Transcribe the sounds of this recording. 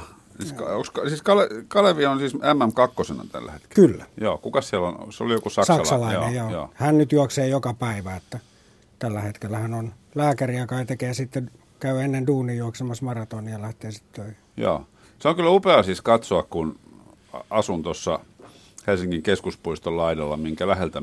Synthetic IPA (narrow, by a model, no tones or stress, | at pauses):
siskɑokskɑsiːskɑlekɑleʋionsiːsæmːæmkɑkːosenɑ̰t̪æ̰lːæ̰het̪ke̥kylːæjoːkukɑssiælon̰seo̰lijokusɑkssɑsɑlɑinejjoːjo̰ːhænnyt̪juɑkseːjokɑpæiʋæet̪ːæ | t̪ælːæhet̪kelːæhænon | læːkæriɑkɑit̪ekeːjɑsit̪ːe | kæyenːenduːnijjuɑksemɑsmɑrɑt̪oːniɑlæht̪eːsi̥t̪t̪øih | jo̰ː | seoŋkylːupeɑsiskɑt̪soɑkkun | ɑsunt̪osːɑ | helsiŋkiŋkeskuspuist̪ollɑidɑlːɑmiŋkælæhelt̪æ